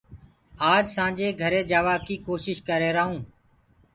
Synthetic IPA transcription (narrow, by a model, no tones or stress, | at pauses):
aːd͡ʒsãːd͡ʒeːɡʱəɾeːd͡ʒaːʋaːkiːkoːʃɪʃkəɾeːɾəːɦũː